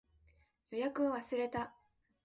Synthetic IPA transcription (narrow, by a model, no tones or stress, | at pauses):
jo̞jakɯ̟aβasɨɾe̞t̪a